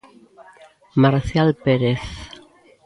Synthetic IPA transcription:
maɾθjalpeɾeθ

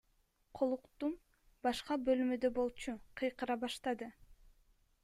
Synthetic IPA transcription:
qʰolˠuqt̪um | bɑʃqɑbø̞lmød̪øbo̞lˠt͡ʃuqʰɯjqɯɾɑbɑʃt̪ɑd̪ɯ

